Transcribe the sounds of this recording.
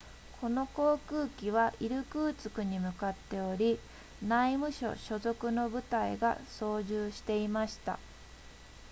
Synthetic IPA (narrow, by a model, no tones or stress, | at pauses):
kʰo̞no̞ko̞ːkɯ̟ːkʲiβ̞aʔiɾɯ̟kɯ̟ːt͡sɨ̥kɯ̟ɲ̟imɯ̟kat̪ːe̞o̞ɾʲi | naimɯ̟ɕo̞̰ɕo̞zo̞kɯ̟no̞bɯ̟t̪aiɡa̰so̞ːʑɨːɕi̥t̪e̞imaɕi̥t̪a̰